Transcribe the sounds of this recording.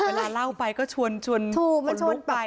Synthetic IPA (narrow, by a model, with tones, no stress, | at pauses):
eː˧˩˧laː˧˩la˥˩wpa˧jkɔː˥˩t͡ɕʰu˧ənt͡ɕʰu˧ənt͡ɕʰuː˧˩ma˧˩˧t͡ɕʰu˧o˧ə˦npa˧